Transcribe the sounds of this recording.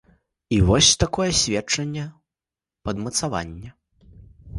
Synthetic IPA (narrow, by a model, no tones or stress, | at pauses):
ivɔsʲt̪akɔjɛsʲvʲɛt͡ʂɐnʲːɛ | pɐd̪mɐt̪sava̰nʲːɛ